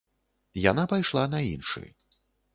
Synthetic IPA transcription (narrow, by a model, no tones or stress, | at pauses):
ja̰napajʂlˠanɐinʂɨ̰j